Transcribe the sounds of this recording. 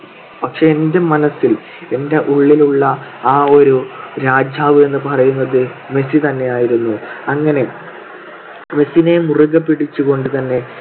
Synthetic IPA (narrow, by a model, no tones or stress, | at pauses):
pɐkʂe̞ːndemɐnɐsːil | e̞nde̞ʔuɭːiluɭːɐaːo̞ɾuɾaːd͡ʑaːʋɨe̞nːɨpɐrɐjunːɐðɨme̞sit̪ɐnːe̞jaːjiɾunːuɐŋːɐne̞ | me̞sine̞muruɣɐpːiɽit͡ɕːuko̞ɳɖɨt̪ɐnːe̞